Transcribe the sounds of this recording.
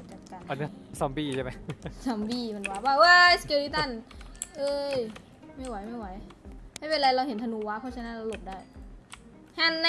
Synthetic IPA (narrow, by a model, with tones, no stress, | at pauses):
t͡ɕa˨˩t̪̚ka˧˩a˧n˦˥sa˧˦mbiː˧˩t͡ɕʰa˥˩ma˦sa˧mbiː˧˩ma˧nwaː˦˥baː˧˩wa˦˥jske˧ɾiː˦˧t̪a˧˥˩nʔɤː˧j | ma˥˩jwa˨˦jma˥˩jwa˩˦jma˥˩jpe˧nɾa˧jɾa˧wɦe˩˦nt̪ʰa˧nuː˧wa˦˥kʰa˧˥˩t͡ɕʰa˧na˦˥˨ɾa˧lo˨˩p̚daː˥˩j | ha˧˩nː˧